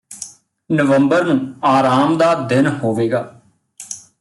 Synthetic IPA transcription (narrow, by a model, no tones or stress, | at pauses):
nəʋəmbəɾnũːaːɾaːmd̪aːd̪ɪnɦoːʋeːɡaː